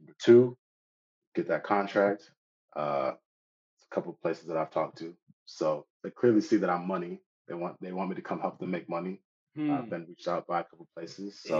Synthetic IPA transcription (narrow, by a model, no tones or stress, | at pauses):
bə˞tʰʉ | ɡ̥ɛt̪̚ðɨt̚kʰɑ̃ntʰɹ̥æk̚t̚ | ʔʌ | sə̥kʰʌpl̩ˠpʰl̥eɪsɨzðəɾaɪv̥tʰɔk̚tʰʉsoʊðeɪkʰl̥ɪɹlˠisiðɨɾãɪ̃mːʌni | ðeɪwɑ̃nðeɪwɑ̃nmiɾɨkʰʌ̃mhɛlˠpl̩tʰɨmeɪk̚mʌni | avbɨ̃nɹit͡ʃtaʊt̚b̥aɪɨkʰʌpl̩ˠpʰl̥eɪsɪz̥soʊ